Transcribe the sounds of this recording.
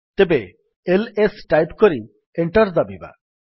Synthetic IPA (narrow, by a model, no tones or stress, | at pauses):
t̪ebe | elesʈajpkɔɾi | eɳʈɔɾd̪abiba̰